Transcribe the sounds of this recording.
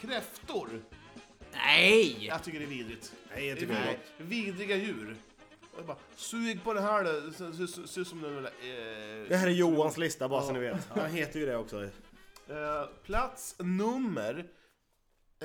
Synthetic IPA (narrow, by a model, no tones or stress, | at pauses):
kʰɾɛft̪ʊɾ | nɛjaɡt̪ʰʏkːəɖɛviːd̪ɾɪt̪ɛet̪ːviːd̪ɾɪɡajʉ̟ːɾ | abaː | sʉːɡpɔd̪ɛɦæːɖsɛssɔsɪsɔmd̪ɛnɛla | d̪ɛhæːɾɛɾjuːanslɪst̪abɑːɾassɔmnɪveːt̪anɦeːt̪əɾjəd̪ɛɔksɔ | pʰlat̪snɵmːəɾ